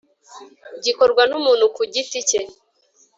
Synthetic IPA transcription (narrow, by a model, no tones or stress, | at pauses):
ɟikoɾɡwanumuːn̤ukuɟitice